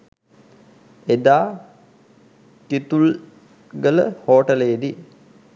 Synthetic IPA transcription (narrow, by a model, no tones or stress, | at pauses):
ed̪aː | t̪it̪ul | ɡələhoːʈəled̪i